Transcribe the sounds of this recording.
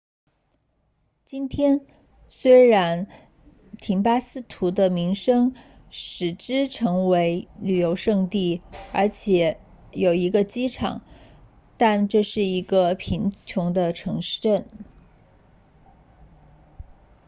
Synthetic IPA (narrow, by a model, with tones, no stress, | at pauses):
t͡ɕi˥nt̪ʰjɛ˥n | swe˥ɪɻa˧˥n | t̪ʰi˧˥ŋpa˥sɹ̩˥t̪ʰu˧˥d̪ə˧mi˧˥ŋʂɤ˥ŋ | ʂɻ̩˨˩ʈ͡ʂɻ̩˥ʈ͡ʂʰɤ˧˥ŋwe˧˥ɪly˨˩jo˧˥ʊʂɤ˥˧ŋt̪i˥˩ə˞˧˥t͡ɕʰjɛ˨˩˦ | jo˨˩ʊi˧˥ɡə˧t͡ɕi˥ʈ͡ʂʰɑ̰˨˩˦ŋ | t̪a˥˧nʈ͡ʂɤ˥˧ʂɻ̩˥˩i˧˥ɡə˧pʰi˧˥ŋt͡ɕʰjʊ˧˥ŋd̪ə˧ʈ͡ʂʰɤ˧˥ŋʂʈ͡ʂə˥˩n